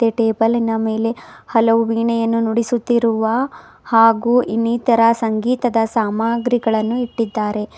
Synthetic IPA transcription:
eʈeːbɐlinɐme̞ːle̞hɐlɐʋuʋiːɳɛjɐnːunuɽisut̪ːiɾuʋɐ | haːɡuːʔinːiːt̪ɐɾɐsɐŋɡiːt̪ɐd̪ɐsaːmaːɡɾiɡɐɭɐnːuiʈːid̪ːaːɾe̞

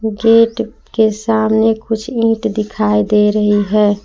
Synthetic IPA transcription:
ɡeːʈ | kesaːmnekʊt͡ʃʰĩːʈd̪ɪkʰaːid̪eɾəɦiɦɛː

